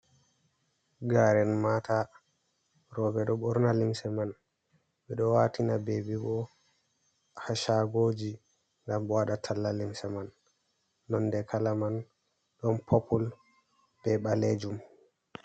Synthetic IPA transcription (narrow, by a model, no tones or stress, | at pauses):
ɡaɾɛnmatʰa | ɾɔbɛɗɔɓɔɾnalimsɛman | ɓɛɗɔwatinabebibɔ | haʃaɡoːd͡ʒi | ŋɡamɓɔwaɗatʰalːalimsɛmanː | ɔndɛkʰalaman | ɗɔnpʰɔpʰɔl | bɛɓaled͡ʒum